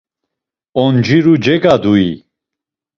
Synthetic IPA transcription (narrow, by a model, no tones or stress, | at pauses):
ɔnd͡ʒiɾud͡ʒɛɡad̪ui